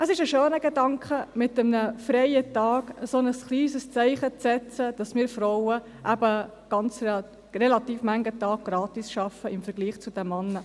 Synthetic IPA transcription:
əsɪʃəʃøːnəɡedɑŋkχəmɪtəmnəfrɛɪətɑːkəsonəsχliːsəst͡sɛɪχət͡sɛt͡səd̥ɑsmɪːɾfɾowə | ʔæbə | ɡ̥ɑnt͡s | rɛlɑt̪iːfmæŋɡətɑːk̚ɡ̥ɾɑːtisʃɑfəɪmfəɾɡ̥liːχt͡sʊd̥ɛmmːɑnːə

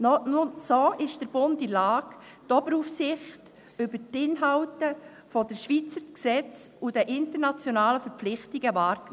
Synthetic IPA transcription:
nɔnʊsoːʔɪʃd̥əɾb̥ʊntilɑːk | tɔbəɾufsɪχt | ʏbəɾtɪnɦɑwtə | fɔdəʃʋit͡səɾksɛt͡sudɛʔɪntəɾnat͡sjɔnɑːləfɛɾp͡flɪχtiɡ̥əvɑːɾkn

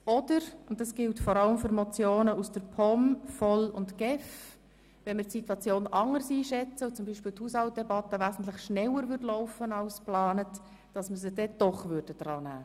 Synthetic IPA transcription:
ɔdəɾʊntdɑsɡ̥ɪltfɔɾɑləmfʏɾmɔt͡sjoːnəusd̥əɾpʰɔmfɔlʊntɡ̥ɛf | ʋɛnmɪtsitwɑt͡sjoːnʔɑŋəɾsiːʃɛt͡səut͡sʊmbiːʃpiːlthuːshɑlt̚dɛbɑtːəʋæːzn̩tlɪχʃnɛləɾvʏɾdlɔʊfənɑʊsplɑːnət | d̥ɑsməzəd̥ɛd̥ɔχvʏɾd̥əd̥ɾɑːnæː

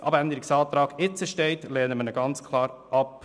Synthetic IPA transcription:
ʔɑbænd̪əɾɪksɑːt̪ɾɑːɡ̥ɪt͡səʃtɛɪt̪lɛːnəmənəɡɑnt͡skʰlɑːɾʔɑp

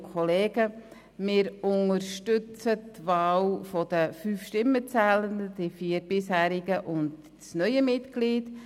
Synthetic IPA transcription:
kʰɔleːɡə | mɪːɾʊŋəɾʃtʏt͡sətvɑːlfɔd̥əfyːfʃtɪmːət͡sæːləndəd̥ifiːəɾbɪshæːɾɪɡəʔʊnd | snœʏəmɪtɡ̥liːd

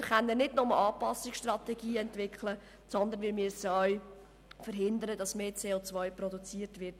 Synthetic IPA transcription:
χanːənɪdnʊməʔɑːpɑsɪksʃtrɑt̪ɛɡiːɛntʋɪkχlə | sɔnd̪ənʋɪːmyəsəœʏ | fəɾɦɪnd̪əɾədɑsmeːt͡seːot͡svœʏpɾɔdut͡siːərtʋɪrt

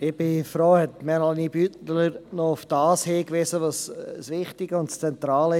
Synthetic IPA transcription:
ɪb̥ɪfɾoːhɛtmɛnɑlnibytləɾnɔʊfd̥ɑːsheːkʋɪsəʋossʋɪχtɪɡəʊntst͡sɛnt̪ɾɑːlɪ

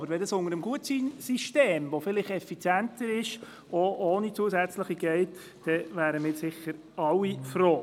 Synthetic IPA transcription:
bəɾʋɛdɑsʊŋəɾəmɡuətt͡siːnsiʃteːmʋofɪlɪχɛfit͡sjæntəɾɪʃ | oʔoːnit͡suəsæt͡sləχiɡ̥ɛɪt | d̥ɛvæːɾəmɪːsɪχːəɾ | ɑwifɾoː

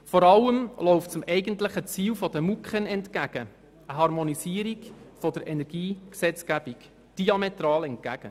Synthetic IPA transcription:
fɔɾɑlːəmlɔʊft͡sʊmɛɪɡəntlɪχət͡siːlfɔd̥̪əmukχənɛntkæɡ̥ə | əɦɑɾmɔnisiːəɾiɡfɔd̥əɾʔɛnɛɾɡ̥iːksɛt͡skæb̥ik | d̥iɑmet̪ɾɑːlɛnt̚kæɡ̥ə

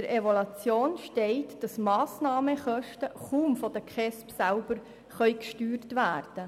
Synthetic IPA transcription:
əɾeʋolɑt͡sjoːnʃtɛɪtd̥ɑsmɑːsnɑːməχœʃtəχuːmfɔd̥əkʰχɛspsælb̥əɾ | χœʏkʃtyːrtʋæːrd̥ə

